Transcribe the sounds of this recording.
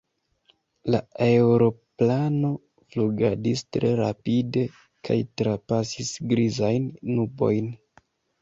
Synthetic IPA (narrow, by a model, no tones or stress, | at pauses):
laeɾo̞plano̞ | fluɡadistɾe̞ɾapide̞ | kʰa̰jtɾapasisɡɾizajnːubo̞̰jn